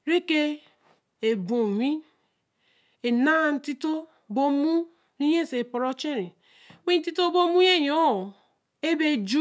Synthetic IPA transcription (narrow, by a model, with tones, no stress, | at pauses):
ɾe˦ke˦ | e˨bo˨wʷi˦ | e˨na˦˨n̩˦ti˦to˦ | bo˦mu˦ | ɾi˦je˦˨se˨po˨ɾo˦t͡ʃe˦ɾi˨ | wʷi˦n̩˦ti˦to˦bo˦mu˦je˦˨jo˦˨ | e˦be˦d͡ʒu˦